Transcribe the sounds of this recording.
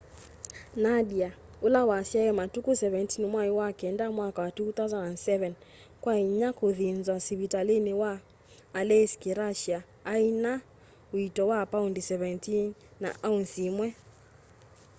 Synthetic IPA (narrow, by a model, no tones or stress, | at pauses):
naɗiaulawasjaɛmatukusɛvɛntinmwaiwakɛndamwakawatuθawzanandsɛvɛn | kwaiɲakoðinzwasiβitaliniwaː | lɛskiɾaʃiaː | ina | witɔwapaundisɛvɛntinːa̰ʔaunsimwɛ